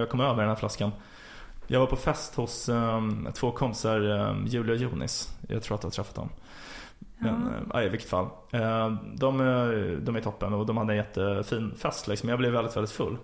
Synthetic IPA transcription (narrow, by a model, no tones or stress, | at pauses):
jɑɡkʰɔmːøːvəɾɖɛnhæɾflaskan | jɑ̰ɡvaɾpʰɔfɛst̪hʊs | t̪ʰv̥oːkʰɔmpɪ̥saɾjʉ̟ːlɪɔjʉ̟ːnɪ̰sjɑ̰ɡt̪ʰɾuːat̪d̪ɛhat̪ʰɾɛfːat̪d̪ɔ̰m | mɛnʔa̰ɪɪvɪkːə̥t̪fa̰lː | d̪ɔmd̪ɔmæɾɪt̪ʰɔpːənɔd̪ɔmhad̪ənjɛt̪ʰːəfiːnfɛst̪lɪksɔmjɑːɡblɛvːɛlɪt̪vɛldɪt̪fɵ̰lː